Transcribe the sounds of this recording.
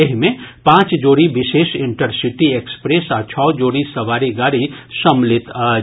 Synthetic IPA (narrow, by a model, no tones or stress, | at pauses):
eɦmẽpãːt͡ʃd͡ʒoːɽibɪʃeːʃɪ̃ɳʈəɾsɪʈieːkspɾesat͡ʃʰɔːd͡ʒoːɽisɐʋaːɾiɡaːɾisɐmlɪt̪ː